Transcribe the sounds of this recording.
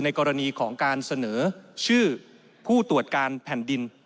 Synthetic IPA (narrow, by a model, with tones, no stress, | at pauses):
na˧jkɔː˧ɾa˧niː˧kʰɔː˩˦ŋkaː˧nsa˧nɤː˩˦t͡ɕʰɯː˥˩ | pʰuː˥˩t̪u˨˩ət̪̚kaː˧npʰɛː˨˩˦ndi˧n